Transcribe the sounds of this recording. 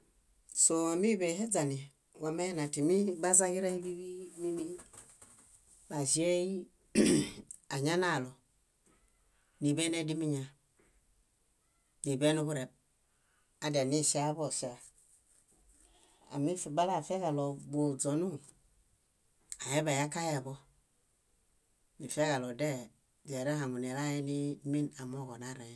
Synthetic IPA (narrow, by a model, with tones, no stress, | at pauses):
so˨a˨mi˦be˨he˦d͡za˨ni˨ | wa˨me˦na˨ti˨mi˦ba˦za˦ɡi˦ɾe˦i˦bi˦bi˦mi˦mi˦ | ba˨zi˦e˦ji˦ | a˨ɲa˦na˦˨lo˨ | ni˨be˦ne˦di˦mi˦ɲa˨ | ni˨be˦nu˦ku˦ɾe˨b̚ | a˨˦da˨ni˦˨si˦a˦bo˦˨si˦a˨ | a̰˨mi˦fi˨ba˦la˦˨fe˦ɣa˨lo˨bo˨d͡zo˨nu˦ | a˨jɛ˦ba˨ja˦ka˦ja˨bɔ˦ | ni˨fe˦ɣa˨lɔ˨dɛ˦ | de˨ɾa˦ha˨mu˨n˨e˨la˦jɛ˦ni˦mi˦na˨mo˦˨ɡo˨na˦˨ɾa˨j